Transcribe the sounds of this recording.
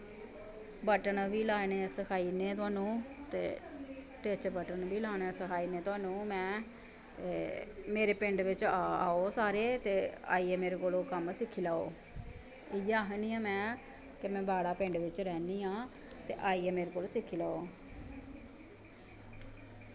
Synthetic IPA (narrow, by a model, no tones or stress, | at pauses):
bəʈəɳʋiːlaːneːsəkʰaːiːneːt̪̬ʊaːnũːt̪ḛː | ʈet͡ʃbəʈənʋiːlaːñɛːsəkʰaːiːneːt̪ʊaːnũːmɛ̃ː | t̪eːmeːɾeːpɪɳɖʋɪt͡ʃːaːoːsaːɾeːt̪eːa̰ːiːɛːmeːɾeːkoːloːkəmsɪkʰːiːlaːo̰ː | ɪjaːɦniːãːmɛ̃ː | kemɛ̃ːbʱaːɽaːpɪ̃ɳɖʋɪt͡ʃɾɛːniːãː | t̪eːʔaːiːɛːmeːɾeːkoːlːsɪkʰːiːlaːo̰ː